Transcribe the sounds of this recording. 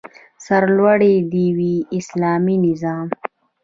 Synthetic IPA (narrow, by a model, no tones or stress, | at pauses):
saɾlwaɽed̪iwiːslɑːminɪzɑːm